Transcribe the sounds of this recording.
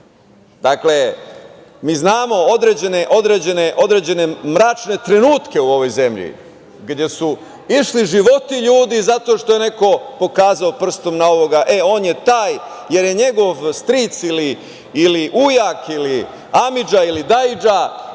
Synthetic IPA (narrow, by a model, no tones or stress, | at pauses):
d̪akle̞ | miːznaːmo̞od̪ɾed͡ʑe̞ne̞ʔo̞d̪ɾeːd͡ʑe̞ne̞ʔo̞d̪ɾeːd͡ʑe̞ne̞mɾaːt͡ʃne̞t̪ɾe̞nuːt̪ke̞uo̞ʋo̞jze̞mʎḭ | ɡd̪je̞su | iʃliʒiʋo̞t̪iʎuːd̪izat̪oːʃt̪o̞jene̞ko̞po̞kaːzaopr̩st̪o̞mnao̞ʋo̞ɡaʔe̞o̞ːnje̞t̪aːj | je̞ɾje̞ɲe̞ɡo̞ʋst̪ɾit̪sili | iliʔujakili | amid͡ʒailid̪aid͡ʒa